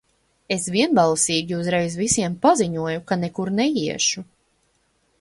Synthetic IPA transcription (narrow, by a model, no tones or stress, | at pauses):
esvʲiɛnbalˠsiːɡʲiuzɾɛjzvisiɛmpaziɲuɔjukanekuɾnɛjiɛʃu